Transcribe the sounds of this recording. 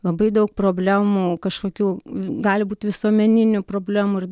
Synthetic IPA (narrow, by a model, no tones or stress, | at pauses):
lˠɐbɐɪd̪ɐʊk̚pɾoːbʲlʲæːmuːkɐʃkoːkʲuːɡɑːlʲɪbuːt̪ʲʋʲɪsuɔmʲɛnʲɪnʲʊpɾoːbʲlʲæːmuːɪr